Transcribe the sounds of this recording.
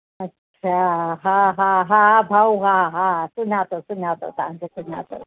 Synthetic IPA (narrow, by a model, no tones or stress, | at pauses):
ɐtːɕʰaɦaɦaɦabʱawɦaɦasunat̪osunat̪o̰t̪aŋkesuna̰t̪o̰